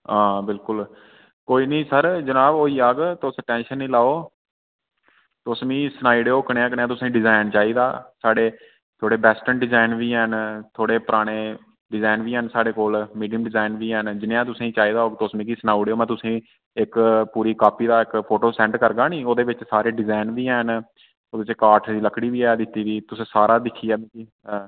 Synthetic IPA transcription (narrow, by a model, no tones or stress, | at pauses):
ãːbɪlkʊl | koːiːnĩːsəɾd͡ʒənaːboːiːaːɡt̪ʊsʈɛ̃ːnʃənːĩːlaːoː | t̪ʊsmĩːsnaːiːɽeːoːkəɽãːk̬ənːãːt̪ʊsĩːɖɪzaːɪnt͡ʃaːiːd̪aːsaːɽeː | t̪ʰoːɽeːbɛːsʈənɖɪzaːɪnʋiːɦənt̪ʰoːɽeːpəɾaːɽ̃eː | ɖɪzaːɪnʋiːɦənsaːɽeːkoːlmiːɖijəmɖɪzaːɪnʋiːɦənd͡ʒɪnjãːt̪̬ʊsĩːt͡ʃaːiːd̪aːoːɡt̪oːsmĩːkisnaːuɽeoːmɛ̃ːt̪ʊsĩː | ɪkpuːɾiːkaːpiːd̪aːɪkpʰoːʈoːsɛ̃ɳʈkəɾɡaːnĩːoːd̪eːʋɪt͡ʃsaːɾeːɖɪzaːnʋiːɛn | oːd̪eʋɪt͡ʃkaːɾʈʰd̪iːləkɽiːʋiːɛːd̪ɪt̪ːiːʋiːt̪ʊsĩːsaːɾaːd̪ɪkʰːiːɛːbĩːkiː